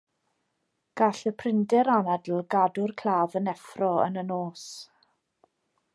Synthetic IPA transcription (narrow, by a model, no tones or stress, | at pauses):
ɡ̥aɬəpʰrɪndɛɾanadl̩ˠɡadʊrkʰlˠaːvənɛfrɔə̰nənoːs